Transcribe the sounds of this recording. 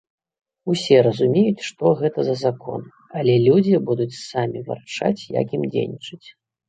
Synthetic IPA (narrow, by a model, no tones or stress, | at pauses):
usʲɛɾɐzumʲejut͡sʲʂt̪ɔɣɛt̪ɐzɐzakɔ̰n | ɐlʲɛlʲud͡zʲibud̪ut͡sʲsamʲiva̰rt͡ʂa̰t͡sʲja̰kʲimd͡zʲḛjnʲit͡ʂɨt͡sʲ